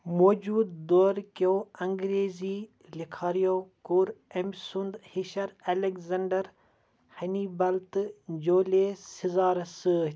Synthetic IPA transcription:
moːd͡ʒuːd̪d̪oːɾkoːɐŋɡɾeːziː | likʰaːɾijoːkuɾemsund̪hiʃɐɾɐlekzɐɳɖɐɾ | hɐniːbɐlt̪d͡ʒoːleːsizaːɾsəː

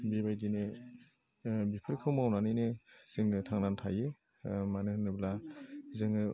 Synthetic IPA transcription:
bibajdine | bipʰɯɾkʰɯwmawnanɯjnesɯŋɯtʰaŋnantʰaje | manɯhɯnɯblazɯŋɯ

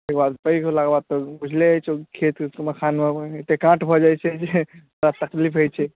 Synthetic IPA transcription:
ekbad̪pəjkolaɡbad̪̚t̪ɔbud͡ʒʱlet͡ʃʰokʰet̪sməkʰanmeet̪ekãʈbʱɔd͡ʒajt͡ʃʰɛd͡ʒemɾat̪əklipɦojt͡ʃʰɛ

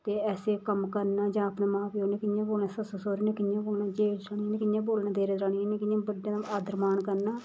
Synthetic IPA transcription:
t̪eːɛːseːkəmkəɾnaːd͡ʒãːəpnaːmãːpioːneːkɪjãːboːlnaːsəsəsoːɾiːnẽːkɪnjãːboːlnaːd͡ʒeːɾaːnieːneːkɪnjãːboːlnãːd̪eːɾeːd̪ɾaːɽijaːnẽːkɪãːbəɖːãːt̪aaːd̪əɾmaːnkəɾnaː

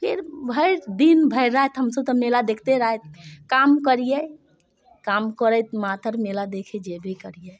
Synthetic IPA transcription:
pʰeɾbʱəɪɾd̪inbʱəɪɾaɦɛt̪ɦəmsəb̚t̪əmelad̪ekʰt̪eɾaɦet̪̚kamkəɾijə | kamkəɾəjt̪mat̪əɾmelad̪ekʰed͡ʒebʱekəɾijə

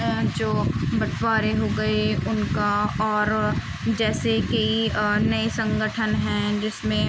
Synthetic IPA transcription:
d͡ʒoːbɐʈʰwaːɾeɦoɡɐeʊnkaɔːɾ | d͡ʒɛːsekeinɐesɐ̃ŋɡəʈʰənɦɛ̃d͡ʒɪsmẽ

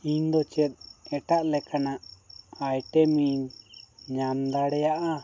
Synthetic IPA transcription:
iɲd̪ɔt͡ʃɛt̪̚ɛʈaʔlɛkanaʔajʈɛmiɲɲand̪aɽɛjaʔa

